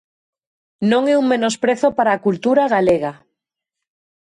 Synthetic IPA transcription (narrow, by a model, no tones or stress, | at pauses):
nõŋeuŋmenospɾeθopaɾaːkult̪uɾaɣ̞aleɣa